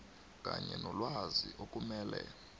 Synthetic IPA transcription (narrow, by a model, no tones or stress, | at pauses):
kʼaɲɛnɔlwaziʔok̬ʼumɛːlɛ